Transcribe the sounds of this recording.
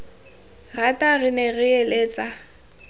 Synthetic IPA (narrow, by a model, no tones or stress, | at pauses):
ratʼaɣɪnɛɣɪeleːt͡sʼa